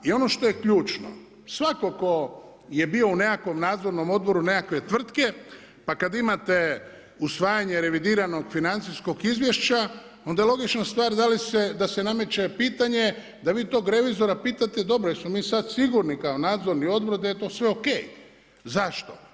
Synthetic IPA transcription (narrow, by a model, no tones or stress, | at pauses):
io̞no̞ʃt̪o̞jekʎuːt͡ʃno̰ | sʋako̞ko̞ | je̞bio̞une̞kako̞mnaːd̪zo̞ɾno̞mo̞d̪̚bo̞ɾune̞kakʋe̞t̪ʋr̩t̪ke̞ | pakad̪imat̪e̞ | usʋaːjaɲe̞ɾe̞ʋid̪iːɾano̞ɡfinant̪sisko̞ɡizʋje̞ʃt͡ɕa | o̞nd̪ajelˠo̞ɡit͡ʃnast̪ʋaːɾd̪alised̪asename̞t͡ɕe̞piːt̪aɲe̞ | d̪aʋiːt̪o̞ːɡɾe̞ʋizo̞ɾapiːt̪at̪e̞d̪o̞bɾojesmomiːsad̪siɡuɾnikao̞naːd̪zo̞ɾnio̞d̪̚bɾod̪ajet̪o̞ːsʋeo̞kḛːj | zaʃt̪o̞